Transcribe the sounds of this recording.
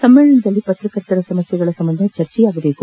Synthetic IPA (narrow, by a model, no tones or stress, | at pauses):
sɐmːɛːɭɐɳɐd̪ɐlːipɐt̪ɾɐkɐɾt̪ːɐɾɐsɐmɐsjɐɡɐɭɐsɐmbɐnd̪ʱɐt͡ʃɐɾt͡ʃɛjaːɡɐbe̞ːku